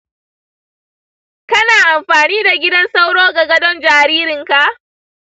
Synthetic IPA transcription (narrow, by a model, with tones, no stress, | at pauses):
kɐ˦naː˨ʔa˨mɸaː˨niː˦da˨ɡʲɪ˦dɐ˦nsa˦wɽoː˦ɡa˨ɡɐ˦dɔ˦nd͡ʒaː˨ɾiː˦ɾɪ˨ŋka˨ʔ